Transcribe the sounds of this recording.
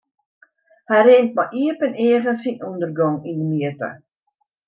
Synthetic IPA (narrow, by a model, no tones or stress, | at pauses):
hɛjreŋt̚maʔiəpəneəɣənsinundərɡɔŋindəmiətə̰